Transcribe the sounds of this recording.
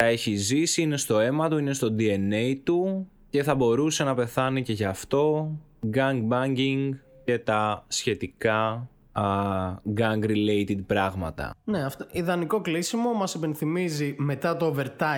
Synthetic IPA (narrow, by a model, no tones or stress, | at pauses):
θɐe̞çizisiine̞st̪o̞e̞mɐt̪uine̞st̪o̞d̪ie̞neit̪u | ce̞θɐbo̞ɾuse̞nɐpe̞θɐnice̞ʝɐft̪o̞ | ɡɐŋɡ̚bɐɲɟiŋɡce̞t̪ɐsçe̞t̪ikɐ | ɡɐŋɡɾile̞jt̪id̪̚pɾɐɣmɐ̰t̪ɐ̰neɐft̪oiðɐniko̞klisimo̞mɐsipenθimizime̞t̪ɐt̪ove̞ɾt̪ɐ